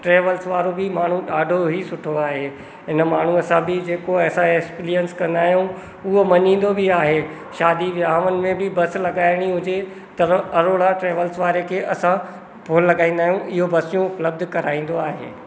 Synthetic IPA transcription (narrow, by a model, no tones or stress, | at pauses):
ʈɾeːʋəlsʋaːɾobɪmaːɳ̤ũɗaːɖʱoɦisʊʈʰoaːɦeː | ɦɪnmaːɳ̤uɐsãbɪd͡ʑeːkoɐːsãekspiɾijənskɐ̃nd̪aːɦijũ | ʊɦomɐɲĩːn̆d̪obʱɪaːɦe | ʃaːd̪iʋaːʋənɪ̆mẽbɪbɐslɐɡaːɪɽ̃iɦʊd͡ʑe | t̪ɐɐɾoːɽaʈɾeːʋəlsʋaːɾekʰeːʔɐsã | poːnlɐɡaːĩːnd̪aːɦijũʔɪɦobɐsijũpləb̚d̪kɐɾaːĩːn̆d̪oaːɦḛː